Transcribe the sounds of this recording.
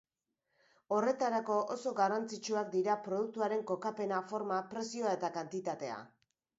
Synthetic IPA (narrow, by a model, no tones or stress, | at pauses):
o̞re̞t̪aɾako̞ʔoso̞ɡarant͡sit͡ʃuak̚d̪iɾapɾo̞ðuk̚t̪uaɾe̞ŋko̞kape̞nafo̞ɾmapɾe̞sioae̞t̪akant̪it̪at̪e̞a̰